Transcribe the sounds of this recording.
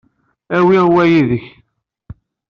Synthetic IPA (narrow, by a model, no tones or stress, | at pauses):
æwiwæjiðəç